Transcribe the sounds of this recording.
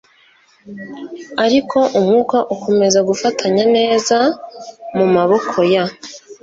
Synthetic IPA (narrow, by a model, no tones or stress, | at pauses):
aɾikʰo̞ʔumhŋuːkaʔuko̞me̞zaɡufatʰaɲane̞ːza | mumaβo̞kʰo̞ja